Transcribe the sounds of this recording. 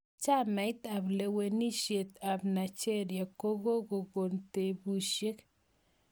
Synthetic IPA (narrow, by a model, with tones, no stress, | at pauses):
t͡ʃa˦˨mɛ˨ɪ˦t̪a˨ble˨we˨ni˦ʃje˨t̪a˨bna˨t͡ʃe˦ɾja˨ko˦ɡo˦ɡo˨ɡo˨nte˨bu˨ʃje˦k